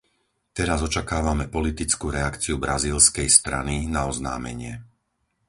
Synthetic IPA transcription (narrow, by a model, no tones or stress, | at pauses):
t̪ɛɾazɔt͡ʃakaːʋamɛpɔlit̪it͡skuɾɛakt͡siubɾaziːlskɛjst̪ɾa̰ninaɔzna̰ːmɛ̰ɲɪɛ